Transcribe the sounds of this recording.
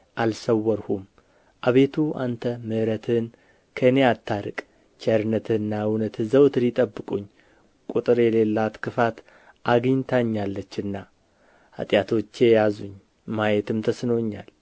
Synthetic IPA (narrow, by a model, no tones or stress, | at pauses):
ʔalsəwːəɾhum | ʔaβe̞t̪ʰua̰nt̪ʰəmɨʔɾət̪ʰɨn | kʰəɨne̞at̪ʰːaɾɨkʼ | t͡ʃʰɛɾɨnət̪ʰɨnːawunət̪zəwt̪ʰɨlɪt̪ʼəbːɨkʼuɲː | kʼut̪ʼɨɾjɛle̞lːat̪kʰɨfat̪ | ʔaɡɨɲt̪ʰaɲːalːət͡ʃːɨnːa | a̰t̪ʼjat̪ʰo̞t͡ʃːe̞jazuɲ | majɛt̪ʰɨmt̪ʰəsnoɲːa̰l